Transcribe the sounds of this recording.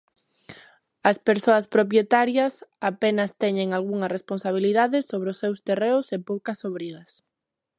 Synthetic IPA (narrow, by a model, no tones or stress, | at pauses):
ɐspeɾsoɐspɾop̬jet̪aɾjɐsapenɐst̪ɛɲeŋalɣuŋɐresponsaβ̞iliðaðɪsoβɾɪʊsːewst̪ereʊsepowkɐsoβɾiɣɐs